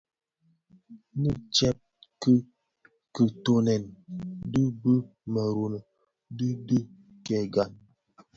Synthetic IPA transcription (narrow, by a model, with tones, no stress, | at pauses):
ni˦t͡ʃɛ˦p̚kə˦ | kə˨to˨nɛ˨ndə˦bə˦ | mə˨ɾu˨nə˨ | də˦di˦ | kɛ˨ɡa˨n